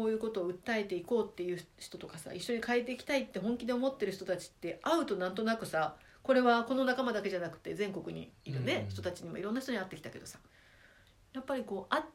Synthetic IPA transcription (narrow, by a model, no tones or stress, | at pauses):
oːjɯ̟ːko̞t̪o̞ːɯ̟t̪ːae̞t̪e̞iko̞ːt̪ːe̞jɯ̟ːçi̥t̪o̞t̪o̞kasa̰ʔiɕːo̞ɲ̟ikaet̪̬ːe̞ikʲi̥t̪ait̪ːe̞ɦõ̞ŋkʲid̪e̞omo̞t̪ːe̞ɾɯ̟çi̥t̪o̞t̪at͡ɕi̥t̪ːe̞ʔaɯ̟t̪o̞nãnt̪o̞nakɯ̟sa | ko̞ɾe̞βako̞no̞nakamad̪ake̞ʑanakɯ̟̥t̪ːe̞zẽ̞ŋko̞kɯ̟ɲ̟ḭiɾɯ̟ne̞çi̥t̪ot̪at͡ɕiɲ̟imo̞̰iɾõ̞nːaçi̥t̪oɲ̟at̪ːe̞kʲi̥t̪ake̞d̪o̞sḁ | japːaɾʲiko̞ːʔa